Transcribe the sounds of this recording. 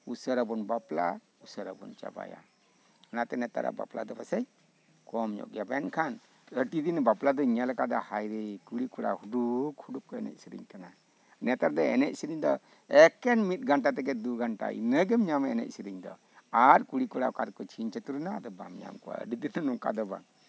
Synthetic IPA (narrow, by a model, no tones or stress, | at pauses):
usəɾabɔnbapla | usəɾabɔnt͡ʃa̰ba̰ja̰ | ɔnat̪ɛnɛt̪a̰ɾa̰ba̰pla̰d̪ɔbasɛj | kɔmɲɔ̰ʔɡɛbankʰan | əʈid̪inbaplad̪ɔɲɛlakad̪ɔhajɾikuɽikuɽa̰huɖukhuɖup̚kɔɛnɛ̰t̪̚siɾḭɲkana | nɛt̪aɾd̪ɔɛ̰nɛc̚siɾiɲd̪ɔ | ɛkɛnmit̪̚ɡaɳʈat̪ɛkɛd̪uɡaɳʈa̰ḭnəɡɛmɲamaɛnɛ̰c̚siɾiɲd̪ɔ̰ | aɾkuɽikuɽakaɾkɔt͡ʃʰiɲt͡ʃat̪uɾunad̪ɔba̰mɲa̰mkɔwa̰ə̰ɖid̪inanɔŋka̰d̪ɔba̰ŋ